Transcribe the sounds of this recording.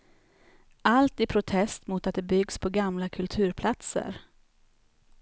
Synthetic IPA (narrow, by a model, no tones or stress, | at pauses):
alt̪ɪpʰɾʊt̪ʰɛst̪muːt̪at̪̚d̪ɛbʏɡspʰɔɡamlakʰɵlt̪ʰʉ̟ːɾpʰlat̪sə̰ɾ